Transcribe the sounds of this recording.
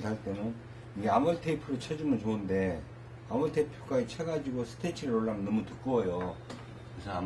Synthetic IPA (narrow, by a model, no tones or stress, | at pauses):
tʰaɭt͈e̞nɯn | iɡeamɯɭtʰeipʰɯɾɯt͡ɕʰʌd͡ʑimɯnt͡ɕoɯnde̞ | amuɭtʰepʰjok͈ait͡ɕʰeɡad͡ʑiɡosʰɯ̥tʰet͡ɕʰiɾɯoɭːamʌnːʌmutɯk͈uʌjo | kɯɾesʰʌa